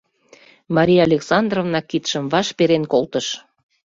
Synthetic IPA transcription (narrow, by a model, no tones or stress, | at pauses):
mɑɾʲijɑlʲeksɑnd̪rovnɑkːit̪ʃəmvɑʃpeɾenkolt̪əʃ